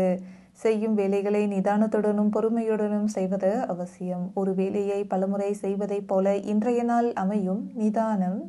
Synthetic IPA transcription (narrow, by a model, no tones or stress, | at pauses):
sɛjːɯmʋeːlɐɪɣɐɭɐɪnɪðaːnɐt̪ːɯɽɐnɯmpɔɾɯmɐjɯɽɐnɯmsɛjʋɐðɐɐʋɐsɪjɐmɔɾɯʋeːlɐjɐɪpɐlɐmɯrɐɪsɛjʋɐðɐɪpːoːlɐʔɪndrɐjɐnaːlɐmɐjɯmnɪðaːnɐm